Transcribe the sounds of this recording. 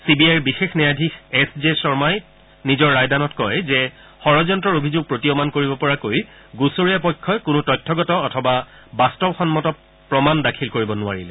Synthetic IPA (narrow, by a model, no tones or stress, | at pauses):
sibiajɹbixexnɛjadʱixɛszesɔɹmaj | nizɔɹːajdanɔtkɔjzɛ | xɔɹɔzɔntɹɔɹobʱizuɡ̚pɹotiomankoɹibɔpɔɹakoj | ɡusoɹijapɔjkʰːɔjkʊnutɔjtʰːɔɡɔtɔːtʰɔba | bastɔbxɔnmɔtɔ | pɹɔmandakʰilkoɹibɔnʊa̰ɹilɛ